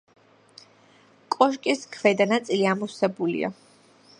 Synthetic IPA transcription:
kʼɔʃ̬kʼiskʰvɛd̪anat̪sʼiliamusɛbulḭa̰

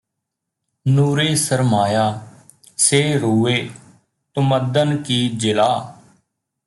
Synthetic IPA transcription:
nuːɾeːsəɾmaːjaː | seːɾuːeː | t̪ʊməd̪ənkiːd͡ʒɪlaː

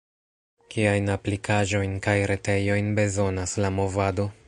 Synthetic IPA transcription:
kiajnaplikʰaʒo̞jnkajɾe̞te̞jo̞jnbe̞zo̞naslamo̞vado̞

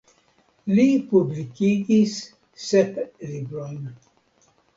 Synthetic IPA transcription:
lipublikiɡisː | eplibɾojn

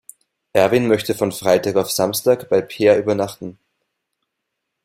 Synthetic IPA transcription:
ʔɛɐvinmœçtəfɔnfʁ̥aɪtaːkaʊfz̥amstaːkb̥aɪpʰeːɐʔyːbɐnaχtn̩

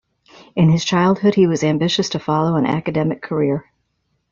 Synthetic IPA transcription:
ɨ̃nɨz̥t͡ʃʰaɪlˠd̚hʊd̚iwʌzæ̃mbɪʃɨstʰɨfɑlˠoʊə̃nʔæ̰kɨdɛmɨkʰə˞ɪɹ

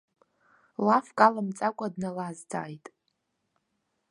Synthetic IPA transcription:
lafkʼalamt͡sʼakʷʼadnalazd͡zʰʼa̰ːjtʼ

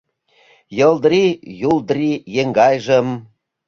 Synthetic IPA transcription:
jɤ̆ld̪ɾijuld̪rijeŋɡɑjʒə̆m

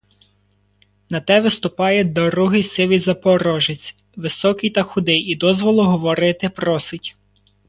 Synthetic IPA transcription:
nɐt̪ɛʋɪst̪ʊpɑjɛd̪ɔɾuɦɪjsɪʋijzɐpɔɾɔʒɪt͡sʲ | ʋɪsɔkɪjt̪ɐxʊd̪ɪjid̪ɔzʋɔlˠʊɦɔʋɔɾɪt̪ɪpɾɔsɪtʲ

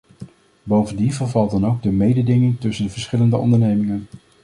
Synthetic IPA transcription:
bowvəndivəɹvɑlˠtdɑnowɡ̚dəmejdədɪŋɪŋtɵsəndəvəɹsχɪləndəʔɔ̰ndəɹnejmɪŋən

